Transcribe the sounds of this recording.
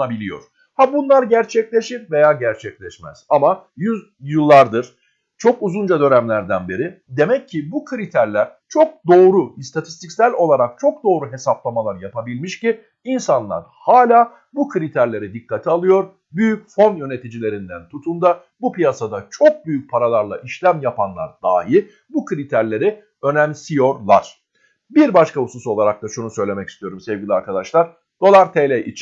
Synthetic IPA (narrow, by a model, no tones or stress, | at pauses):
abilʲijo̰ɾ̥ | habunlˠaɾɟæɾt͡ʃʰɛclʲe̞ʃiɾve̞jaːɟæɾt͡ʃʰɛclʲɛʃmæ̰z̥amajy | jɯlˠːaɾd̪ɯɾ̥ | t͡ʃʰo̞kuzund͡ʒad̪ø̞næmlʲæɾd̪ænbiɾɪd̪e̞mɛcʰːibukʰɯɾit̪ʰæɾlʲæɾ̥ | t͡ʃʰo̞k̚d̪o̞ːɾuist̪ʰat̪ʰist̪ʰicsælʲo̞lˠaɾak̚t͡ʃʰo̞k̚d̪o̞ːɾuɦe̞saplˠamalˠaɾjapʰabilʲmiʃcɪ | insanlˠa̰ɾ | haːlʲaː | bukʰɯɾit̪ʰæɾlʲe̞ɾid̪ikʰːat̪ʰialˠɯjo̞ɾ | byjycfo̞njø̞ne̞t̪ʰid͡ʒilʲe̞ɾind̪ænt̪ʰut̪ʰund̪a | bupijasad̪at͡ʃʰo̞k̚byjyc̚pʰaɾalˠaɾlˠa̰ʔiʃlʲæmjapʰanlˠa̰ɾd̪̥a̰ːɦi | bukʰɯɾit̪ʰæɾlʲe̞ɾi | ø̞næmsijo̞ɾlˠa̰ɾ̥ | biɾbaʃkaususo̞lˠaɾak̚t̪ʰaʃunusø̞jlʲe̞mɛcist̪ijo̞ɾumsevɟʲilʲiaɾkʰad̪aʃlˠaɾ | d̪̥o̞lˠaɾt̪ʰelʲeʔit͡ʃ